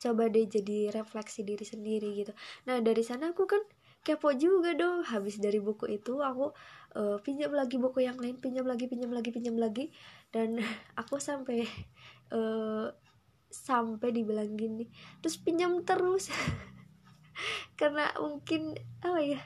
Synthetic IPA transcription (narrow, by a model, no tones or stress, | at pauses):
t͡ʃobadɛd͡ʒadiɾeflɛksidiɾisəndiɾiɡit̪unahdaɾisanaːkukan | kapɔʔd͡ʒuɡadɔɦabɪsdaɾibokoʔit̪uakuʔəpiɲamlaɡibokojaŋlaɪnpiɲamlaɡipiɲamlaɡipiɲamlaɡidanakusampɛjʔəː | sampajdibilaŋɡinːɪht̪ɾʊspiɲamt̪əɾʊs | karna̰muŋkɪnapaja